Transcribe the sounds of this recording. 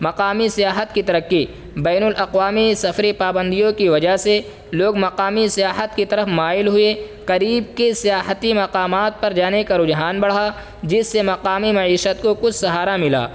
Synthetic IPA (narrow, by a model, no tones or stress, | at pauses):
mɐqaːmisijaːɦət̪kit̪ɐɾəkːi | bɛːnʊlʔɐqwaːmisɐfɾipaːbə̃nd̪ijõkiʋɐd͡ʒaɦse | loːɡmɐqaːmisijaːɦət̪kit̪ɐɾəfmaːɪlɦʊe | qɐɾiːb̚kesijaːɦət̪imɐqaːmaːt̪̚pɐɾd͡ʒaːnekaɾʊd͡ʒɦaːnbɐɽ̤a | d͡ʒɪsːemɐqaːmimɐʕiːʃət̪kokʊt͡ʃʰsɐɦaːɾamɪla̰ː